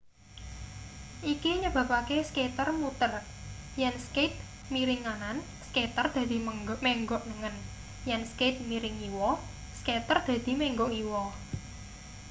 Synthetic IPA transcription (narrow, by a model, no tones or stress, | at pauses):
ʔikiɲəb̥ä̤pakesket̪ərmut̪ər | jɛnsket̪̚ | miɾɪŋanan | sket̪ərd̪̥ä̤d̪̥i̤mɛŋɡɔʔnəŋən | jɛnsket̪̚miɾɪŋiwɔ | sket̪ərd̪̥ä̤d̪̥i̤mɛŋɡɔiwɔ